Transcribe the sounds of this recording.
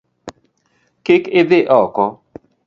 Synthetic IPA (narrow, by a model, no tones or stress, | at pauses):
kɪkɪðɪʔɔkɔ